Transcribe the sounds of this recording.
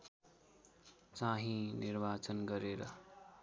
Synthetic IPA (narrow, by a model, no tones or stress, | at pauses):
t͡saɦĩniɾbat͡sʌnɡʌɾeɾʌ